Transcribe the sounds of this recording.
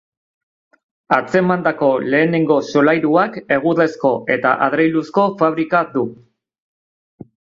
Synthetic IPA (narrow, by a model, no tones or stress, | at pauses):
at͡se̞mand̪ako̞le̞ːne̞ŋɡo̞so̞lajɾuake̞ɣ̞uɾe̞sko̞ʔe̞t̪a̰ʔaðɾejlusko̞faβ̞ɾikad̪u